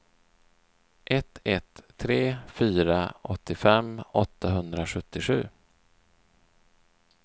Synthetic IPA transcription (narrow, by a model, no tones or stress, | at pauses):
ʔɛt̪ʰɛt̪ʰːɾeːfyːɾaɔt̪ʰːɪfɛmɔt̪ʰːaɦɵnd̪ɾaɧɵt̪ːɪɧʉ̟ː